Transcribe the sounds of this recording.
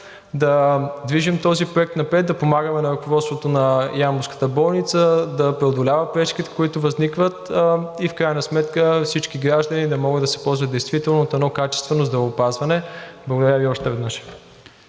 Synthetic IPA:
d̪ɐd̪viʒimt̪ɔzipɾoɛk̚t̪nɐpɾɛt̪̚d̪ɐpomaɡəmɛnɐɾʊkovɔt̪st̪vot̪onɐjamʊskə̥t̪əbɔlˠnit̪səd̪ɐpɾɛod̪olʲavəpɾɛt͡ʃkʲit̪ɛ̥kʊit̪ʊvɐznikvət̪ifkɾajənɐsmɛt̪kəfsit͡ʃk̟iɡɾaʒd̪ənid̪ɐmɔɡəd̪ɐsɛ̥pɔlˠzvəd̪ɛjst̪vit̪ɛlˠnoot̪ɛnɔkat͡ʃɛ̥st̪vɛnozd̪ɾɐvopazvɐnɛblˠəɡod̪ɐɾʲəviɔʃt̪ɛvɛd̪nəʃ

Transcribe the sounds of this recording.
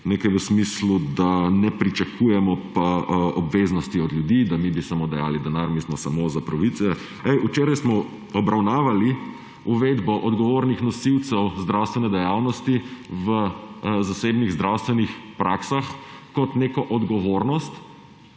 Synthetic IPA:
nekajʋəsmislud̪anɛpɾit͡ʃakʰujɛmɔpaɔbʋeznɔst̪iɔd̪ljud̪iːd̪amibisamod̪ɛja̰ːlid̪ɛnaɾmismɔsamozapɾaʋit̪sɛ | ɛjʔut͡ʃeːɾajsmɔ | ɔbɾawnaːʋali | uʋed̪bɔʔɔd̪ɡɔʋoɾnixnɔsiwt̪sɛwzd̪ɾawst̪ʋɛnɛd̪ɛjawnɔst̪iʋəzaseːbniɣzd̪ɾawst̪ʋɛnixpɾaksaxkɔt̪neːkɔʔɔd̪ɡɔʋoɾnɔst̪

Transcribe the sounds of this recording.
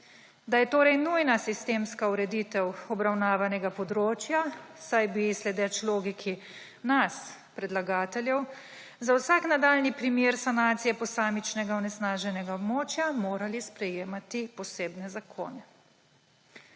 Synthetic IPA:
d̪ajɛt̪oːɾɛjnujnasist̪eːmskauɾɛd̪iːt̪ɛwɔbɾawnaːʋanɛɡapɔd̪ɾoːt͡ʃjasajbislɛd̪ɛt͡ʃloːɡikʰi | nas | pɾɛd̪laɡaːt̪ɛljɛw | zawsaknad̪aːlnipɾimjeːɾsanaːt̪sijɛpɔsaːmit͡ʃnɛɡaɔnɛsnaːʒɛnɛɡaɔbmoːt͡ʃjamoːɾalispɾɛjeːmat̪ipɔseːbnɛzakʰo̰ːnɛ

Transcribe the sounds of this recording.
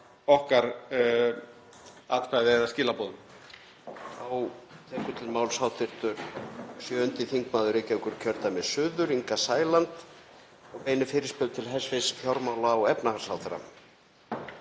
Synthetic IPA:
ɔhkaɾ | aðpɾajðɪɛðascɪːlapɔːðʏn | awt̪ʰɛːkʏt̪ʰɪlmaːwlsaːwt̪ʰɪr̥t̪ʏɾ̥sjœʏnt̪ɪθiŋkmaːðʏɾeːcɛwkʏɾ̥cʰœɾt̪amɛsʏːðʏɾiŋkasaːjlant̪ | ɔɣpeːjnɪfɪːɾɪspʏðt̪ʰɪlɦɛsvɪsfjawɾmaːwlaɔɣɛpnahaɾsawt̪ʰɪɾa̰

